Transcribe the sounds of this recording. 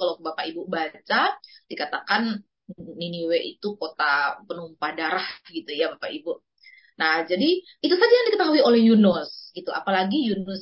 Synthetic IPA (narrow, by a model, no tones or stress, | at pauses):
kalobapaibubat͡ʃad̥ikat̪akanː | iniweʔḭt̪ukot̪apənumpadaɾahɡit̪ujabapaʔibu | nahd͡ʒadi | it̪usad͡ʒajaŋdikət̪aɦuiolɛhjunʊsɡit̪ua̰palaɡijunʊs